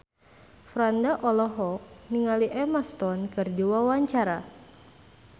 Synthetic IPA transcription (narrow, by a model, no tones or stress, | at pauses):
fɾandaʔɔlɔɦɔk̚niŋaliʔɛmast̪ɔnkɨrdiwawaɲt͡ʃaɾa